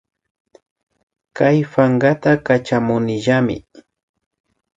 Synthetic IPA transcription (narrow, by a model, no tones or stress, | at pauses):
kajfaŋɡat̪akat͡ʃamʊnɪʒamɪ̰